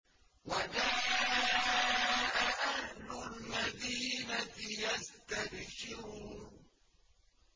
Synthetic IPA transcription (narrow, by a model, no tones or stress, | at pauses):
wad͡ʒaːʔaʔaʔaʔahːʊlmad̪iːnajast̪abʃɪɾu